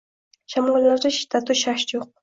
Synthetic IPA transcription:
ʃamɑlːaɾd̪aʃɪ̥t̪ʰːat̪ʰuʃaʃjoq̚

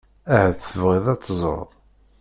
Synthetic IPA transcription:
æhæθəvʁiðˤæt͡sːzˤə̰ɾðˤ

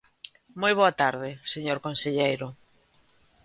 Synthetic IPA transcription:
mojβ̞oat̪aɾðɪseɲoɾkonseʎejɾʊ

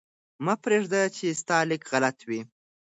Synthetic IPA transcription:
mɑpɾeʐd̪at͡ʃest̪ɑlɪkɣalat̪wi

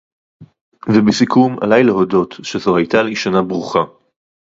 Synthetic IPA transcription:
vebesikuma̰lajleɦodo̞tʃezohajt̪aliʃanabʁuχa

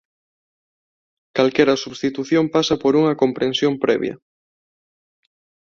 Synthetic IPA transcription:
kalkɛɾɐsuβst̪it̪uθjõmpasɐpoɾuŋɐkompɾensjompɾɛβjɐ̰

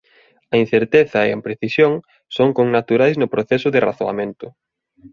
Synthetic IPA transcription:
ɐin̟θeɾt̪eθɐḛempɾeθisjoŋ | soŋkoŋnat̪uɾajznʊpɾoθɛsʊðɪra̰θoa̰mẽnt̪ʊ

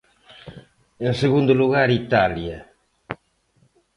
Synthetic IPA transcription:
ẽŋseɣũnd̪uluɣaɾit̪aljɐ

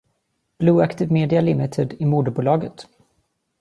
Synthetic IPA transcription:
b̥luːakt̪ɪːvmeːd̪ɪalɪmɪt̪ʰɪd̪ɪmuːd̪əbuːlɑːɡət̪

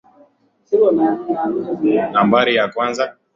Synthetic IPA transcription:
siɾɔnaanambaɾijakwanza

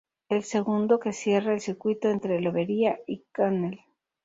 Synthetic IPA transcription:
else̞ɣund̪o̞ke̞sje̞raelsiɾkwit̪o̞e̞nt̪ɾeloβe̞ɾiaikanel

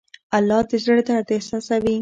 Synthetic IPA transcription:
alːɑd̪əzəɽd̪ad̪esɑsawi

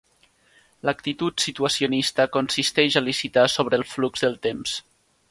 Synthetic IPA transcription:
lək̚t̪it̪ut̪sit̪uəsionist̪əkonsist̪ɛʒəlisit̪asoβ̞ɾəːlˠfluɡzðəlˠt̪ems

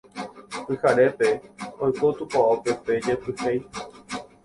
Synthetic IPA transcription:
pɨhaɾe̞pe̞ojkot̪upaope̞ped͡ʒepɨhej

